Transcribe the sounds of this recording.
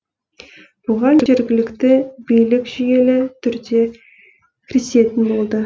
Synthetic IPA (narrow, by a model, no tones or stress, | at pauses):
b̥ʊʁɑnʒe̞ɾɡʲɪlɪkt̪ɪbijlɪkʲʒ̥ʏje̞lɪt̪ʰʏɾd̪e̞ | kʲʰɪɾɪse̞t̪ɪnbo̞lˠd̪ə